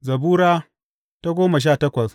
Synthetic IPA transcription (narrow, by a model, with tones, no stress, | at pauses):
zɐ˨buː˦ɽaː˦ | ta˦ɡʷoː˦ma˨ʃ̬aː˦˨tɐ˦kʷɐ˨s